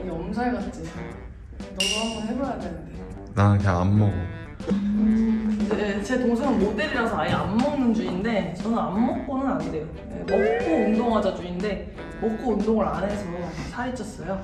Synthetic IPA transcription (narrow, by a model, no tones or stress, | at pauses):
iʌmsʰaɭɡat͡ɕ͈i | nʌɡʌɦamboɦebʌjatʰːennde | nakʰea̰mːʌɡo | kndet͡ɕe̞toŋsʰeŋɯnmot͈eɾiɾasʰʌaiamːʌŋnɯnd͡ʑuinde̞t͡ɕʌnɯamːʌk̚p͈onɯnande̞jo | je̞mok̚k͈oundoŋɦad͡ʑad͡ʑuinde̞ | mok͈oundoŋɯɾanɦe̞sʰʌmomasʰaet͡ɕ͈ʰʌs͈ʌjo